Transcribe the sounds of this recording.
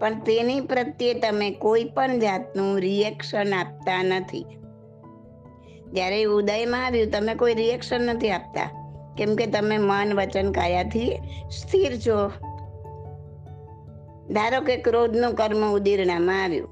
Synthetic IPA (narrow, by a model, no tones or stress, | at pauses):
pəɳt̪enipɾət̪jet̪əmekoipəɳd͡ʒat̪nũɾijɛkʃənap̚t̪anət̪ʰḭ | d͡ʒjaɾeud̪ajmãaʋjũt̪əmekoiɾiɛkʃənːət̪ʰiap̚t̪a̰kɛmket̪əmemənʋət͡ʃənkaɾjat̪ʰist̪ʰiɾt͡ʃʰo | d̪ʱaɾokekɾod̪ʱnũkəɾməud̪iɾnamãaʋjṵ̃